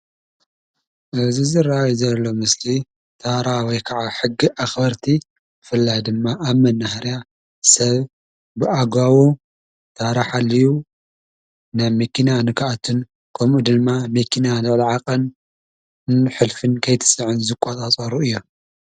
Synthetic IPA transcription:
ʔɨβzɨzɨrːaajuzɐlːo̞mɨsli | t̪ʰaɾawɔjkʰɐʕaħɨɡːiʔaxbɐɾt̪ʰi | bɨfɨlːajd̪ɨmːaʔaβmɐnːahaɾja | sɐβ | bɨʔaɡawu | t̪ʰaɾaħalːiju | naβmekʰinanɨkʰaʔat̪ʰɨn | kʰɐmʔud̪ɨmːamekʰinalɨʕliʕaqʼɐn | ħɨlfɨnkʰɐjt̪ʰɨ̥sʼɨʕɨnzɨkʷʼːot͡sʼat͡sʼɐɾuʔɨjːo

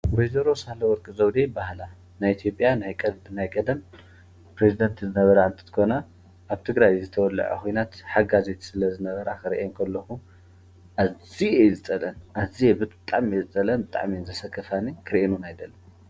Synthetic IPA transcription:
wejzɐɾosahlɐwɔɾkʼizɐwd̪ebahla | najit̪ʰijo̞pʼjanajkʼɐbɨnajkʼɐd̪ɐm | pɾezid̪ɐnt̪ʰzɨnɐβɐɾaɨnt̪ʰʼɨ̥t̪ʰɨ̥kʰo̞na | ʔaβt̪ʰɨɡɾajzɨt̪ʰɐwɔlːɐ̰ʕɐ̰xʰojnat̪ħaɡazet̪ʰi̥sɨlɐzɨnɐβɐɾakɨɾiʔeŋkʰɐlːɐxu | ʔaziezɨt͡sʼɐlɐnaziebɨt̪t̪ʼa̰ʕmezɨt͡sʼɐlɐnbɨt̪ʼa̰ʕminzɐsɐkʰːɐfanikʰɨɾʔenunajd̪ɐlːɐ

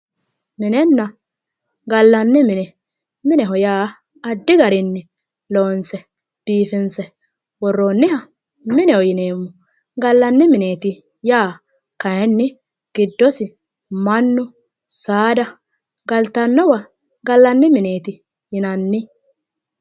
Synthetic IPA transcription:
mɪnɛnːɐ | ɡɐlːɐnːɪmɪnɛ | mɪnɛɦɔjaː | ɐd̪ːɪɡɐɾɪnːɪ | loːnsɛ | b̥iːfɪnsɛ | wɔrːoːnːɪhɐ | mɪnɛɔjɪne̞ːmːʊ | ɡɐlːɐnːɪmɪneːt̪ɪ | jaː | kɐjɛnːɪ | ɡ̥ɪd̪ːɔsɪ | mɐnːʊ | saːd̪ɐ | ɡɐlt̪ɐnːɔwɐ | ɡɐlːɐnːɪmɪne̞ːt̪ɪ | jɪnɐnːɪ

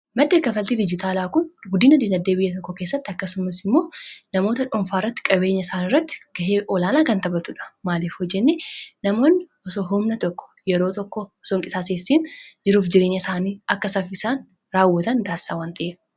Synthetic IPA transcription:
mɐd̪ːe̞ːkɐfɐlt̪id̪ɪd͡ʒɪt̪aːlaːkʊnɡʊd̪iːnɐd̪iːnɐd̪ːeːbɪjːɐt̪ɔkːɔke̞ːsːɐt̪ːɪɐkːɐsʊmɐsɪmːo̞ːnɐmoːt̪ɐᶑɔɱfaːɪrːɐt̪ːɪ̥kʼɐbe̞ːɲːɐsaːnɪrːɐt̪ːɪ̥ɡ̥ɐɦeːʔɔlaːnaːkɐnt̪ɐbɐt̪uᶑɐ̥maːliːfhɔd͡ʒːɛnːenɐmo̞ːnːɪ | ɔsoɦʊmnɐt̪ɔkːɔ̥jɛɾoːt̪ɔkːɔɔsoŋkʼɪsaːseːsːiːnd͡ʒɪɾuːfd͡ʒɪɾe̞ːɲːɐsaːniːʔɐkːɐsɐfɪsaːn | ɾaːwːɐt̪ɐnd̪aːsːaːwaːnt̪ʰɐʔeː

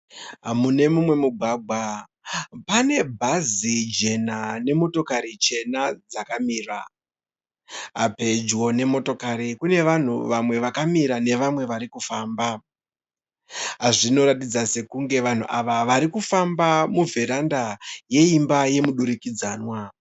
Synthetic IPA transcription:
ɦamune̞mumwe̞muɡʱwaːɡʱwa | pane̞bʱazid͡ʒe̞nane̞mo̞to̞kaɾit͡ʃe̞nad͡zakamiːra | ɦape̞d͡ʒwo̞ne̞mo̞to̞kaɾikune̞ʋan̤ṵʋamwe̞ʋakamiɾane̞ʋamwe̞ʋaɾikufaːmba | ɦaʐino̞ɾatid͡zase̞kuŋɡe̞ʋan̤ṵʔaʋaʋaɾikufambamuvʱe̞ɾandaje̞imbaje̞muɗuɾikid͡zaːnwa

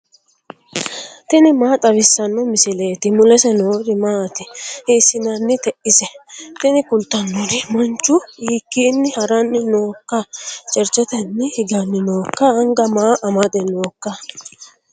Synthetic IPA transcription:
t̪ɪnɪmaːt̪ʼɐβɪsːɐnːɔmɪsɪleːt̪ɪmʊlɛsɛnoːɾɪmaːt̪ɪhisːɪnɐnːɪt̪ɛʔɪsɛt̪ɪnɪkʊlt̪ːɐnːɔɾɪmɐnt͡ʃːʊiːkːiːnːɪhɐɾɐnːɪno̞ːkːɐt͡ʃʼɛɾt͡ʃɛt̪ɛnːɪhɪɡɐnːɪno̞ːkːɐɐŋɡɐmaːʔɐmɐd̪ɛno̞ːkːɐ

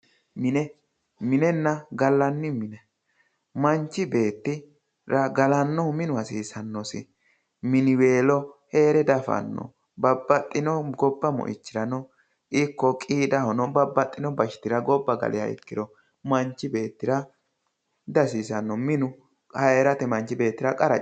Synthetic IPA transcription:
mɪnɛ | mɪnɛnːɐɡɐlːɐnːɪmɪnɛ | mɐnt͡ʃːɪbe̞ːt̪ːɪ | ɾɐɡɐlɐnːɔmɪnʊhɐsiːsɐnːɔsɪ | mɪnɪwe̞ːlɔhe̞ːɾɛd̪ɐfɐ̰nːɔ̰ | bɐbːɐt̪ʼːɪnɔɡɔbːɐmɔ̰ʔɪ̰t͡ʃːɪɾɐnɔ | ʔɪkːɔkʼiːd̪ɐhɔnɔbɐbːɐt̪ʼːɪnɔbɐʃɪ̥t̪ɪɾɐɡɔbːɐɡɐ̰lʔɪjɐ̰jɛ̰kːɪd̪ɔ | mɐɲt͡ʃːɪbe̞ːt̪ːɪɾɐ | d̪ɐsiːsɐnːɔmɪnʊ | hɐeɾɐt̪ɛmɐnt͡ʃːɪbe̞ːt̪ːɪɾɐkʼɐɾɐ

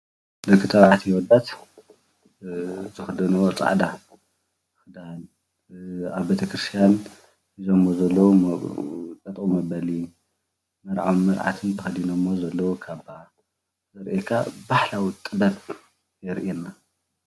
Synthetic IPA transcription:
d̪ɨkʰːɨt̪ʰɐβʕat̪ʰijwɔd̪at̪ | zɨxɨd̪ɐnuwot͡sʼa̰ʕd̪a | xɨd̪an | aβbet̪ʰɐkɾɨst̪ʰjan | hizomːozɐlːɐwu | t͡s̪ʼɐt̪ʼumɐbɐli | mɨɾʕawmɨɾʕa̰t̪ʰɨnt̪ʰɐxɐd̪inomːozɐlːɐwukʰaβa | zɐɾʔekʰabaħlawit̪ʼɨbɐt̪ | jɛɾʔinːa

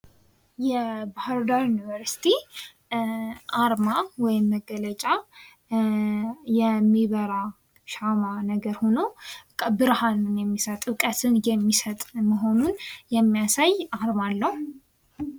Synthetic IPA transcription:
jɛbahaɾd̪aɾjunivəɾsi̥t̪ʰi | ʔaɾmawɔjɪmːəɡːələt͡ʃʼa | jɛmːiβəɾa | ʃamanəɡəɾho̞no̞kʼbɨɾhanɨnjɛmːisət̪ʼɨkʼət̪ʰɨnjɛmːisət̪ʼməɦo̞nunjɛmːijasajaɾmalːəh

